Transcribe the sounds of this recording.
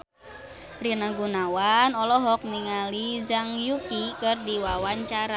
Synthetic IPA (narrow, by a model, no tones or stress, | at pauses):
rinaɡunawanɔlɔɦɔk̚niŋalid͡ʒaŋjukikɨrdiwawaɲt͡ʃaɾa